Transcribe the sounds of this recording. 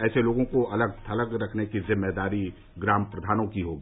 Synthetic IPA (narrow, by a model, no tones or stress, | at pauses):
ɛːseloːɡõkoɐləɡ̚t̪ʰɐləɡɾɐkʰnekizɪmːed̪aːɾi | ɡɾaːmpɾɐd̪ʱaːnõkiɦoːɡiː